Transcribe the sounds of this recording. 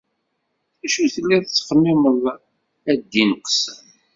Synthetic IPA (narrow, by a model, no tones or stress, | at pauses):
θæʃuθəlːiðt͡sːχəmːɪməðˤ | æd̪ːinəqsəm